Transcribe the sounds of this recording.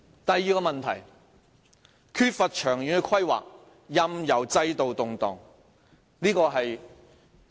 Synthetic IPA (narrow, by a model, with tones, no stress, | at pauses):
t̪ɐ˨jːiː˨kɔː˧mɐ˨nt̪ʰɐ̰˨˩j | kʰyː˥t̚fɐ˨t̚t͡ʃʰœː˨˩ŋjyː˨nɛ˧kʰwɐ˥jwa̰ː˨k̚ | jɐ˧mjɐ˨˩wt͡sɐ˧jt̪o˨wt̪ʊ˨ŋt̪ɔː˨˩ŋ | niː˥kɔː˧ɦɐ˨j